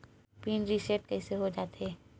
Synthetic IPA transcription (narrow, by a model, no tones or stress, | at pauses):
piːnɾiseʈ̚kɛːseɦod͡ʒaːt̪eː